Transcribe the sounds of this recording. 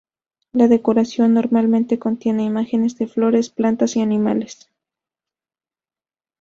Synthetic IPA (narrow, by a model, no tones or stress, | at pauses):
laðe̞ko̞ɾasjo̞nːo̞ɾmalmẽ̞nt̪e̞ko̞nt̪je̞ne̞imaxe̞ne̞zðe̞flo̞ɾe̞splant̪asianĩma̰le̞s